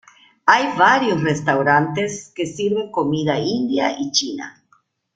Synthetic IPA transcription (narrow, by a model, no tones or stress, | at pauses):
ajβaɾjosrest̪awɾant̪eskesiɾβeŋkomiðaind̪ja̰ʔit͡ʃina̰